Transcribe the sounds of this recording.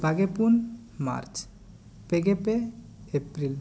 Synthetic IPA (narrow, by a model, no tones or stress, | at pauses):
bʱaɡepun | ma̰ɾt͡ʃ | peɡepe | epɾil